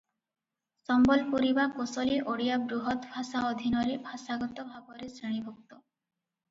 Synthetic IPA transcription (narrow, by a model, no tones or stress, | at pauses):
sɔmbɔlpuɾibakosɔliʔoɽijabɾuɦɔt̪bʱasaɔd̪ʱinɔɾebʱasaɡɔt̪ɔbʱabɔɾesɾiɽ̃ibʱɔk̚t̪ɔ